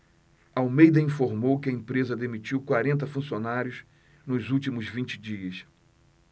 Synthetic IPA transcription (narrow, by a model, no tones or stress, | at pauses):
ɐawmejd̪ɐĩfoɾmowkɪɐẽpɾezɐd̪emit͡ʃiwkwaɾẽnt̪ɐfũsionaɾjʊs | nʊzuwt͡ʃimʊzvĩt͡ʃɪ̥d͡ʒiɐs